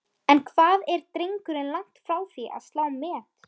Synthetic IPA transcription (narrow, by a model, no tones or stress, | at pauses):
ɛnkʰvaːðɛɾt̪ɾeŋkʏɾɪnlaŋ̥t̪fɾaːwθiʔa̰ðst̪laːwmɛːt̪